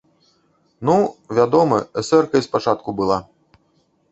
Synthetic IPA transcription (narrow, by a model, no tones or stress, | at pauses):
nuvʲad̪ɔmɐɛsɛrkɐspat͡ʂat̪kubɨlˠa